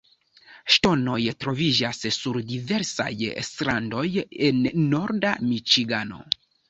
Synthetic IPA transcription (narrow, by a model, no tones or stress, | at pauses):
ʃto̞no̞jtɾo̞vid͡ʒasːuɾdive̞ɾsa̰jstɾando̞jenːo̞ɾdamit͡ʃiɡano̞̰